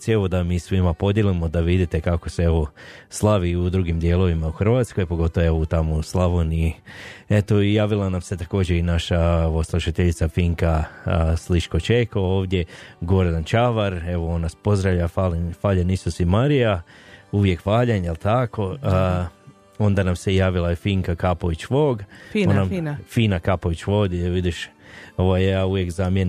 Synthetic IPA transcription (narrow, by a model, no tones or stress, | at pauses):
sieʋo̞d̪amiːsʋimapo̞d̪jelimo̞d̪aʋid̪it̪e̞kakoseeʋo̞slˠaʋiud̪ɾuɡimd̪je̞lˠo̞ʋimauxr̩ʋaːt̪sko̞jpo̞ɡo̞t̪ooeʋout̪amoslˠaʋoni | et̪o̞ijaːʋilˠanamse̞t̪ako̞ːd͡ʑe̞inaʃaoʋosluʃat̪eʎit̪safiŋkasliʃko̞t͡ʃekooːʋd̪je̞ɡo̞ɾd̪ant͡ʃaʋaɾe̞ʋoo̞naspo̞zd̪ɾaʋʎafalfaːʎanisosimaɾijauʋje̞kfaːʎanjelˠt̪ako̞ | o̞nd̪anamsejaːʋilˠaefiŋkakapoʋit͡ɕʋoːɡonnamfiːnakapoʋit͡ɕʋod̪iʋid̪iʃo̞ʋajjaːuʋjekzamjen